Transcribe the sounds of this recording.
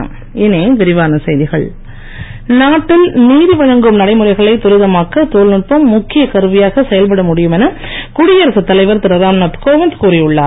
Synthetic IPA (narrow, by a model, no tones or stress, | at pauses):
ɪneːʋɪɾɪʋaːnɐsɐjðɪɣɐɭ | naːʈːɪlniːɾɯʋɐɻɐŋɡɯmnɐɽɐɪmɯɾɐɪɣɐɭɐɪt̪ʊɾɪðɐmaːkːɐt̪oːlnɪʈ̚pɐmːʊkːɪjɐkɐɾɯʋɪjaːɣɐsɛjɐlpɐɽɐmʊɽɪjɯmɛnɐ | kʊɽɪjɐɾɐsɯt̪ːɐlɐɪʋɐɾt̪ɪɾɐɾaːmnɐt̪koːʋɪnt̪kuːɾɪjɯɭːa̰ːɾ